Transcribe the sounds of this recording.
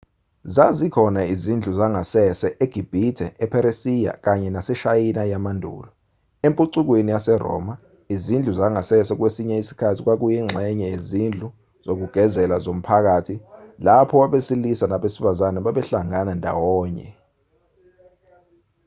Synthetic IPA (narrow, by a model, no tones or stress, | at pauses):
zazikʰɔnaizind͡ɮʱuzaŋasɛsɛʔeɡ̥ʱib̥ʱitʰɛɛpʰɛɾesija̰k̬aɲɛnasɛʃajinajamandʱṵːlɔ | empʼuǀuk̬wenijasɛrɔ̰ːma | izind͡ɮʱuzaŋasɛsɛk̬wesiɲɛisi̥kʰatʰik̬wak̬ujiŋ͡ǁʱɛɲɛjezind͡ɮʱu | z̥ok̬uɡ̥ʱɛzɛlazom̩pʰak̬atʰilapʰɔwaɓesilisanaɓesifazanaɓaɓɛɬaŋanandʱa̰wɔːɲɛ̰